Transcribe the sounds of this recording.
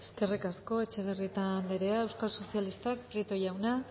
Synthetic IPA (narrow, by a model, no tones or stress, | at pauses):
eske̞rikasko̞e̞t͡ʃe̞β̞erit̪and̪eɾeae̞wskalso̞sialist̪ak̚pɾit̪o̞jawna